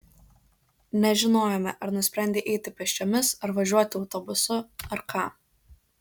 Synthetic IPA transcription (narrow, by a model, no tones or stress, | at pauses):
nʲɛʒʲɪnoːjomʲɛʔɐɾnʊsʲpʲɾʲɛnʲd̪ʲeːʔɛɪt̪ʲɪpʲɛʃʲt͡ʃʲoːmʲɪsɐɾʋɐʒʲuɔt̪ʲɪɒʊt̪ɔbʊsʊɐɾkʰɑː